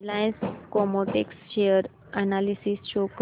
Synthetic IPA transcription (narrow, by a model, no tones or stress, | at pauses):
lainskɔmoʈeksʃejəɾ | analisist͡ɕok